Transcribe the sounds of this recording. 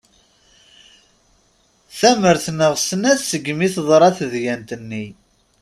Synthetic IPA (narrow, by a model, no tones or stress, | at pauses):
θæməɾθnəʁsənæθsəɡːmiθðˤɾˤɑθəðjænt̪ənːi